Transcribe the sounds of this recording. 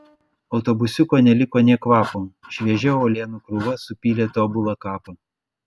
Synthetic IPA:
ɒʊt̪ɔːbʊsʲʊkoːnʲɛlʲɪkoːnʲɛkʋɑːpoːʃʲʋʲiɛʒʲɛoːlʲeːnuːkɾʊʋɐsʊpʲiːlʲeːt̪oːbʊlˠɐkɑːpɐ

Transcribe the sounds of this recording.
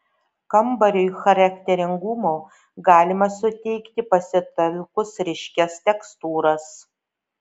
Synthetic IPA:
kɐmbɐɾʲojxɐɾɐkʲt̪ʲɛɾʲɪŋɡʊmoː | ɡɑːlʲɪmɐsʊt̪ʲɛɪkt̪ʲɪpɐsʲɪt̪ɐlʲkʊsɾʲɪʃʲkʲɛst̪ʲɛkst̪uːɾɐs

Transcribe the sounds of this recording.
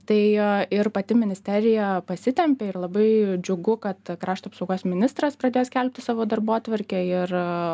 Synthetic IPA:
t̪ɐɪɪrpɐt̪ʲɪmʲɪnʲɪsʲt̪ʲɛɾʲɪjɛpɐsʲɪt̪ʲɛmʲpʲeːɪrlˠɐbɐɪd͡ʒʲʊɡʊkɐt̪kɾɑːʃt̪oːpsoʊɡoːsmʲɪnʲɪst̪ɾɐspɾɐd̪ʲeːjoːskʲɛlʲp̚ʲt̪ʲɪsɑːʋoːd̪ɐrboːt̪ʋɐɾʲkʲɛɪr

